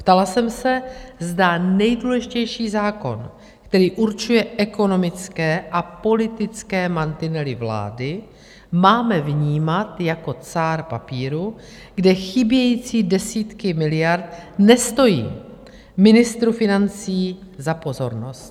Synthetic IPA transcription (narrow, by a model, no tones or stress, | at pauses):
pt̪alasɛmsɛzdanɛjduːlɛʒɪcɛjʃiːzaːko̞̰n | kt̪ɛɾiːʔuɾt͡ʃujɛʔɛko̞no̞mɪt͡skɛːʔapo̞lɪt̪ɪt͡skɛːmant̪ɪnɛlɪvla̰ːdɪ | maːmɛvɲiːmat̪jako̞t͡saːɾpapiːɾu | ɡdɛxɪbjɛjiːt͡siːdɛsiːt̪kɪmɪlɪjaɾt̪̚nɛst̪o̞jḭː | mɪnɪst̪ɾufɪnant͡siːzapo̞zo̞ɾno̞st̪